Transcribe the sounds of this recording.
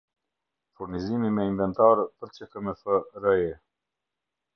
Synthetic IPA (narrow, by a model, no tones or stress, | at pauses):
fuɾnizimimɛinvɛnt̪aɾpəɾt͡ɕəkəmɛfəɾɛjɛ